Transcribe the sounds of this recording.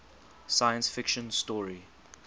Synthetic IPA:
sajə̃nsfɪkʃə̃nstɔɹi

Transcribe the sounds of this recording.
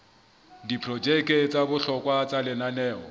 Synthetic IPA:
dipʰrɔd͡ʒɛkʼet͡sʼabʊɬɔkʼwat͡sʼalɪnanɛːɔ̰

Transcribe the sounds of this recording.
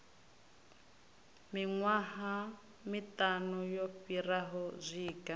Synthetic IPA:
miŋwaɦa | mitʼanɔjɔfiraɦɔzʷiːkʼa

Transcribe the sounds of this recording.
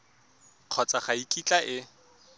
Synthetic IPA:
q͡χʰɔt͡sʼaχaikʼit͡ɬʼaʔɪ

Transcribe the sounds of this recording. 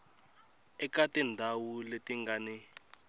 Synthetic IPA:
ɛkatɛndʱawuletiŋɡaːni

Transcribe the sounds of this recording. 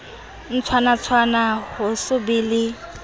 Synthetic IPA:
n̩t͡sʰwanat͡sʰwanahʊsʊbiːlɪ

